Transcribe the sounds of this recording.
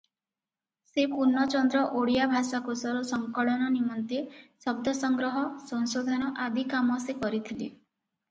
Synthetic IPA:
sepuɾnːɔt͡ʃɔnd̪ɾɔʔoɽijabʱasakusɔɾusɔŋkɔɭɔnɔnimɔnt̪esɔb̚d̪ʱɔsɔŋɡɾɔɦɔsɔŋsod̪ʱanɔʔad̪ʱikamɔsekɔɾit̪ʰile

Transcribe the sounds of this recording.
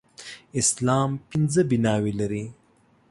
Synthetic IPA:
ɪslɑːmpinzəbinɑwelaɾi

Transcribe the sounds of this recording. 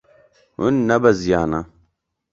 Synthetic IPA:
hunːɐbɐzijaːna

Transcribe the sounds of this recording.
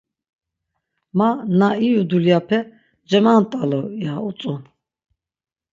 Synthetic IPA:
manaijud̪uljapʰɛ | d͡ʒɛmant̪ʼalɔiaut͡s̪ʼun

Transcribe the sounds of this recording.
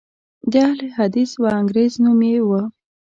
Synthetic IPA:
d̪alehad̪iswaaŋɡɾeznumewə

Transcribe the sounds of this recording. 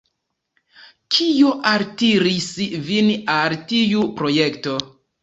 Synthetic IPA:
kʰijoʔaɾtiɾisvinaltijupɾo̞jekto̞

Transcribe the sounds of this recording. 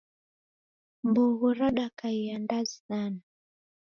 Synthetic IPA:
mbuɣuɾɔɗakaiandazinana

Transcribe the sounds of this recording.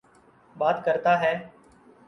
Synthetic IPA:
ɓaːt̪kəɾt̪aːɦɛː

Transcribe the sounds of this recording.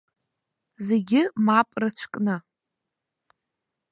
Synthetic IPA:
zeɡʲɪmapʼrɨt͡ɕʷʰkʼnɨ

